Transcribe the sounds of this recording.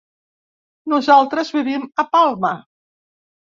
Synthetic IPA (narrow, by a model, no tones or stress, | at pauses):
nuzalˠt̪ɾəzβiβiməpalˠmə